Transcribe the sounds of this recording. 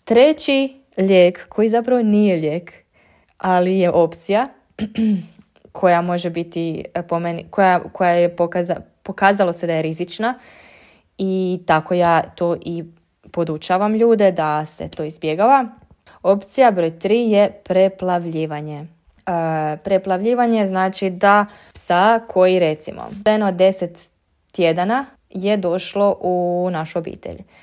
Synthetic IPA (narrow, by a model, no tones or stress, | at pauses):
t̪ɾe̞t͡ɕi | ʎeːkkʰo̞jizapɾaʋo̞nije̞ʎeːk | alije̞ʔo̞pt̪sija | kʰo̞jamo̞ʒebit̪ipomenkʰojakʰo̞jajepokzapo̞kaːzalˠo̞sed̪ajeɾizit͡ʃna | it̪ako̞jaːt̪oːʔi | po̞d̪ut͡ʃaʋamʎuːd̪e̞d̪ase̞̰t̪o̞ːizbje̞ɡaʋa | o̞pt̪sijabɾo̞jt̪ɾiːje̞pɾe̞plˠaʋʎiːʋaɲe | pɾe̞plˠaʋʎiːʋaɲeznaːt͡ʃid̪a | psakʰo̞iɾe̞t̪simo̰enod̪d̪e̞set̪ː | je̞d̪ana | je̞d̪o̞ʃlo̞ʔunaʃuobḭːt̪ḛʎ